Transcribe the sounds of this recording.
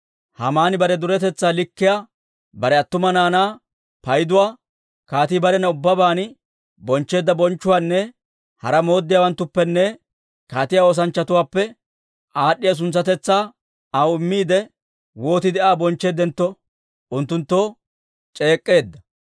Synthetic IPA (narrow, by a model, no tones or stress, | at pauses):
hɐ̰maːnɪbɐɾɛd̪ʊɾɛt̪ɛt͡sːaːlɪkːɪjaː | bɐɾɛɐt̪ːʊmɐnaːnaː | pɐjd̪ʊwaː | kaːt̪ibɐɾɛnɐʊbːɐbaːnɪ | bɔnt͡ʃːe̞ːd̪ːɐbɔnt͡ʃːʊwaːnːɛ | hɐ̰ɾɐmo̞ːd̪ːɪjaːwɐnt̪ːʊpːɛnːɛ | kaːt̪ɪjao̞ːs̬ɐnt͡ʃːɐt̪ʊwaːpːɛ | ʔaːɗːɪjɐs̬ʊnsɐt̪ɛt͡sːaː | ɐwɪmːiːd̪ɛ | wo̞ːt̪ɪd̪ɛʔaːbɔnt͡ʃːe̞ːd̪ɛnt̪ːɔ | ʔʊnt̪ːʊnt̪ːo | t͡ʃʼe̞ːkʼːe̞ːd̪ːɐ